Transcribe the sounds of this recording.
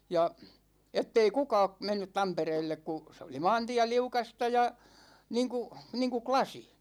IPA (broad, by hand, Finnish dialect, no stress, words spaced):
jɑ etːei kukɑ̝ː menːyt tɑmpereːlːek ku se oli mɑːntiæ liukɑstɑ jɑ niːŋku niːŋku klɑsi